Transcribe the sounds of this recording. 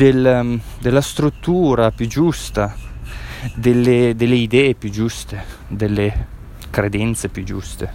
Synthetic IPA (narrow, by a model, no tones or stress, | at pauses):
d̪el | d̪elːast̪ɾut̪ːuːɾapjud͡ʒust̪a | d̪elːed̪elːeid̪ɛːepjud͡ʒust̪ed̪elːe | kɾed̪ɛnt̪sepjud͡ʒust̪e